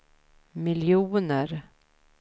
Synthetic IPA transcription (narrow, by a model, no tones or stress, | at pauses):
mɪljuːnəɾ